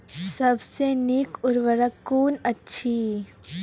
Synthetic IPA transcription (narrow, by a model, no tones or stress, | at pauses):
sɐbsenɪkʊɾʋəɾəkːuːnɐtːʃʰi